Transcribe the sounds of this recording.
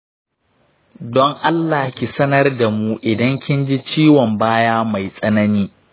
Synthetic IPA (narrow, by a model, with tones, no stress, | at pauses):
dɔ˦ŋʔa˦lːaː˨kʲi˨sɐ˦nɐ˦rda˨mu˦ʔɪ˨dɐ˦ŋkʲɪ˦nd͡ʒi˦t͡ʃiː˦wɔ˨mbaː˦jaː˦ma˨jsʼɐ˦nɐ˦niː˦